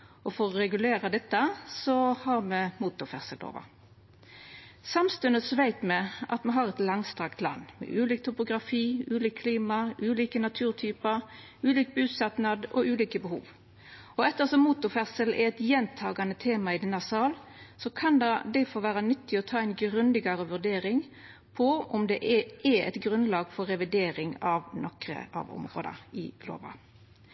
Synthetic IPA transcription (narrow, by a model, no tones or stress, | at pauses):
ɔfɔʁɔɾɛɡʉleːɾɑd̪ɛt̪ːəsɔhɑɾmɛmuːt̪ʊfɛʁsəlo̰ːʋə̰ʁ | sɑmst̪ʉnəsʋæɪt̪mɛʔɑ̰t̪mɛɦɑʁɛt̪lɑŋst̪ʁɑkt̪ʰlɑ̰nːmɛ̰ʔʉːliːk̚t̪ʰʊpʊɡʁɑfiːʉːliːkkʰliːmɑʔʉːliːkənɑt̪ʰʉːʁt̪ʰyːpə | ʉːliːk̚bʉːsɑt̪nɑd̪ɔ̰ʔʉːliːkəbəhṵːʋ | ɔɛt̪ːəʁsɔmːuːt̪ʊfɛʁsəlɛ̰ɛt̪jɛnt̪ʰɑːɡɑnət̪ʰeːmɑɪd̪ɛnːɑsɑːlsɔkʰɑnd̪ɑd̪æɪfoːɾʋæːʁənʏt̪ːɪɔt̪ʰɑːɛɪnɡɾʉnd̪ɪɡɑʁəʋʉʁd̪eːɾɪŋ | pʰɔʔɔmd̪ɛʔɛɛɛ̰t̪ɡʁʉnlɑːɡfɔːɛʋɪd̪eːɾɪŋɑʋnɔkɾə̰ʔɑ̰ʋɔ̰mʁo̰ːd̪ɑ̰ɪlo̰ːʋɑ̰